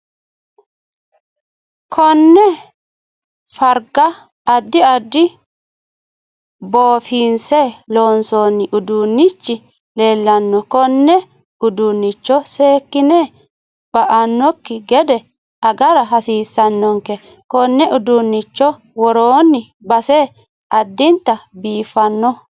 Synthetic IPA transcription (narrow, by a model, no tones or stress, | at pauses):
kʰɔnːɛ | fɐɾɡɐː | d̪ːɪɐd̪ːɪ | boːfiːnsɛloːnsoːnːɪʔʊd̪unːɪt͡ʃːɪ | le̞ːlːɐnːɔkɔnːɛ | ʊd̪ʊnːɪt͡ʃːɔseːkːɪne | b̥ɐʔɐnːɔkːɪɡɛd̪ɛ | ɐɡɐɾɐɦɐsiːsːɐnːɔŋkɛ | kɔnːɛʔʊd̪ʊnːɪt͡ʃːɔ | wɔɾoːnːɪ | bɐseː | ɐd̪ːɪnt̪ːɐbiːfːɐnːɔ